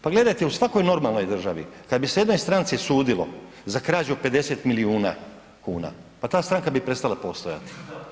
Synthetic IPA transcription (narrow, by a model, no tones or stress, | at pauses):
paɡle̞d̪ajt̪eusʋako̞jno̞ɾmalˠno̞jd̪r̩ʒaʋḭkad̪biseje̞d̪nojst̪ɾant̪sisuːd̪ilo̞̰ | zakɾaːd͡ʑupe̞d̪e̞set̪miliuːna̰ | kuːna̰pat̪aːst̪ɾaŋkabipɾe̞tst̪alapo̞st̪oja̰t̪i̥